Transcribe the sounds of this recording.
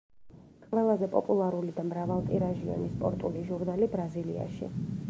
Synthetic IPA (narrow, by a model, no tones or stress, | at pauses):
kʼvɛlˠazɛpʼɔpʼulˠaɾulid̪amɾavalˠt̪ʼiɾaʒiɔ̰nispʼɔ̰ɾt̪ʼuliʒuɾnalibɾazilḭa̰ʃḭ